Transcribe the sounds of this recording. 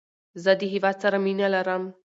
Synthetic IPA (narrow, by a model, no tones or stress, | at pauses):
zad̪iɦivat͡saɾaminalaɾam